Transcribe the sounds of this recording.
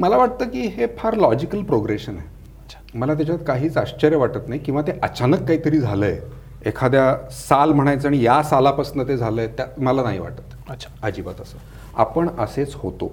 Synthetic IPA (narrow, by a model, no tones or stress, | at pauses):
məlaʋaʈ̚t̪əːkiːɦepʰaɾlɔd͡ʑikəlpɾoɡɾeɕəne̥ | məlat̪̬jat͡ɕat̪kaɦiːt͡saɕt͡ɕəɾjəʋaʈət̪naɦjkĩw̃ʋat̪eʔət͡ɕanəkːaɦiːt̪əɾiːd͡zʱaləj | ekʰad̪jasalm̤əɽ̃ajt͡səaɽ̃ijasalapəsnət̪̬ed͡zʱaləjt̪jaməlanaɦḭʋa̰ʈət̪ɕad͡ʑiːba̰t̪əsəː | a̰pəɳəset͡shot̪o̰